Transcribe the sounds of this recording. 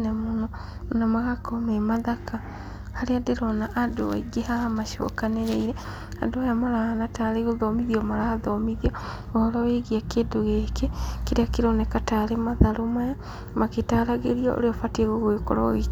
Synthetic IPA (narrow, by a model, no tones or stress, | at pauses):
nɛmonɔnamaɣakɔmemaðaka | haɾeadeɾɔnaʔadowa̰iɡehaamaʃo̰kaneɾeiɾɛ | adoajamaɾahanataɾeɣoðɔmiðiɔmaɾaðɔmiðiɔ | ɔhɔɾɔweɣiakeːdoɣeːkekeɾeakeɾɔnɛkataɾemaðaɾomaja | maketaɾaɣeɾiɔo̰ɾeɔfateɣoɣweko̰ɾɔ̰ɣi